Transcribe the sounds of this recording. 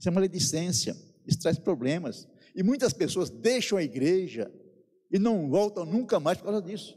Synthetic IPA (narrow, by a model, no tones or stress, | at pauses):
sẽmɐled̪isẽsjɐ̰ | ɪst̪ɾaspɾoblẽmɐs | ɪmũj̃t̪ɐspesoɐzd̪ejʃɐ̃w̃ɐiɡɾeʒɐ | ɪnɐ̃w̃vɔwt̪ɐ̃w̃nũŋkɐmajspoɾkawzɐd̪isʊ̥